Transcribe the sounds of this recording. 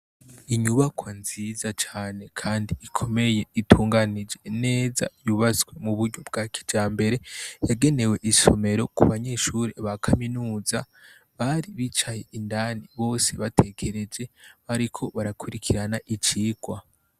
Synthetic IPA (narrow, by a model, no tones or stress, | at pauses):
iɲuβakʰwanziːzat͡ʃaːne̞kʰaːndiikʰo̞me̞je̞itʰuːŋɡanid͡ʒe̞ne̞ːza̰juβat͡sɡwe̞muβuɾɲob̚ɡaki̥d͡ʒaːmbe̞ɾe̞jaɡe̞ne̞we̞ʔiso̞̰me̞ɾo̞kuβaɲe̞ʃuɾeβakʰaminuːza | βaɾiβit͡ʃaje̞indaːniβo̞ːse̞̰βatʰe̞kʰe̞ɾe̞d͡ʒe̞βaɾikʰo̞βaɾakuɾikʰiɾanaʔit͡ʃiːɡ̥wa